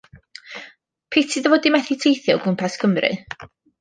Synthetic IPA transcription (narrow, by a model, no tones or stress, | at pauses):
pʰetʰɨðəvoːdimɛθitʰejθjɔɡʊmpʰaskʰəmrɨ̰